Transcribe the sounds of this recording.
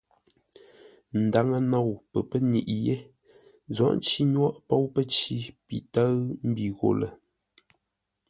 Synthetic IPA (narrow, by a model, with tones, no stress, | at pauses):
n̩˨da˨˦ŋə˨nɔ˦˨wpə˨pə˦nḭ˨ʔje˦ | zɔ̰˦˨ʔt͡ʃi˦ɲwɔ˦ʔpo˦wpə˦t͡ʃi˦pḭ˨tə˦ɰm̩˦bi˨ɣo̰˨lə˨